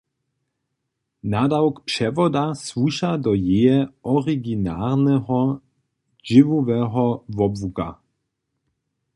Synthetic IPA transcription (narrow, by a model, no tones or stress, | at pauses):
nadawkpʃɛvɔdasvuʃadɔjejɛɔʁiɡinaːɾnɛɦɔ | ʒɪvuvɛɦɔvɔbvuɡa̰